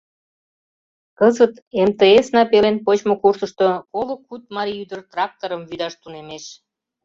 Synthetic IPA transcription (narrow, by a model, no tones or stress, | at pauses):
kəzət̪ | emt̪eesnɑpelenpot͡ɕmokursəʃt̪okolokːut̪̚mɑɾʲiyd̪ərt̪rɑk̚t̪oɾəmvyd̪ɑʃt̪unemeʃ